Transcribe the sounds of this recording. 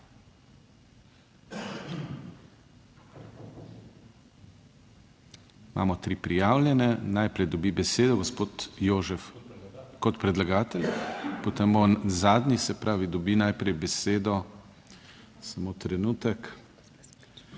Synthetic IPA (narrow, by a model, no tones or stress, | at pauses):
mʔa̰ːmɔt̪ɾiːpɾijaːwlʲjɛnɛnajpɾɛjd̪ɔbibɛseːd̪ɔɡɔspoːt̪joːʒɛf | kɔt̪pɾɛd̪laɡaːt̪ɛlʲpot̪embozaːd̪nisɛpɾaːʋid̪ɔbinajpɾɛjbɛseːd̪ɔ | samoːt̪ɾɛnuːt̪ɛk